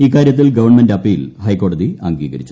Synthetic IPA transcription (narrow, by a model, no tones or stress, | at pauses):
iːkːaːɾjɐt̪ːilɡɐʋɐrɳmendeɐpːiːlhɐjkoːɽɐðiɐŋɡḭːɡɐ̰ɾit͡ɕːu